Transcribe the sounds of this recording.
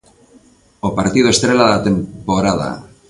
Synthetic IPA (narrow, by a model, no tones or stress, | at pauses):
opaɾt̪ið̞oest̪ɾelaðat̪e̞mpoɾað̞a̰